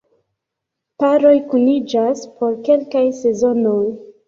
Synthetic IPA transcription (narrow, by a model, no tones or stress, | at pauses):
paɾo̞jkunid͡ʒaspo̞ɾke̞lkajse̞zo̞no̞j